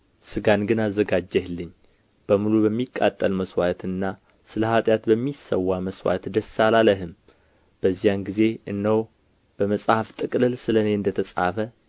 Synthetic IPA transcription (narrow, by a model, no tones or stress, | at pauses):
sɨɡanɡɨnazːəɡad͡ʒːɛhlːɨɲː | b̥əmulubəmːikʼːat̪ʼːəlməswat̪ɨnːa | sɨləhat̪ʼjat̪bəmːisːə̰wːaməswa̰t̪d̪əsːalaləɦɨm | b̥əzːijanɡize̞ʔɨnːəw | b̥əməsʼhaft̪ʼɨkʼlɨlsɨləne̞ɨnd̪ət̪ʰəsʼa̰fə